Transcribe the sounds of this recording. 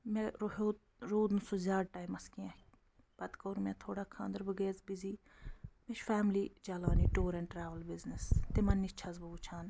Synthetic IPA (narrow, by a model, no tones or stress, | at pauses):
mẽɾoɦoː | ɾoːd̪nusozʲaːɽʈaːjmɐskiãː | b̥ɐd̪koːɾmẽːt̪ʰoːɽaːkʰã̰ːnd̪əɾbɨɡeːzbiziː | meʃfɛːmliːd͡ʒalaːniːʈoːɾɛ̃ɳʈɾaːʋəlbiznəst̪emɐnːit͡ʃʰazbɐɡut͡ʃʰaːn